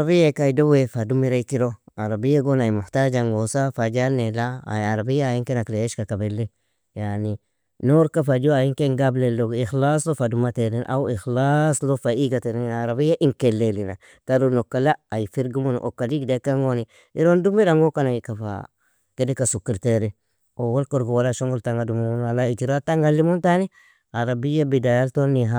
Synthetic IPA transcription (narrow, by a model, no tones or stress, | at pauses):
aabijakaidowefadumiɾaikiɾoaɾabijːaɡonaimuhtad͡ʒaŋɡosafad͡ʒanelaa̰aɾabijaːjiŋkenakleeʃkakabelːi | jani | noɾkafad͡ʒoajiŋkeŋɡablelːoɡixlaslofadumateɾinʔa̰wixlaslofaiɡateɾenaɾabijaʔiŋkelːelina̰ | taɾunokːalaajifiɾɡimun̰ʔo̰kːadiɡidakaŋɡoni | iɾondumiɾaŋɡokanaikafa̰ | kedikasukiɾteɾi | owolkoɾɡowalaʃoŋɡultaŋɡadumunalaitiɾataŋɡalːimuntani | aɾabijabidajaltonːiɦa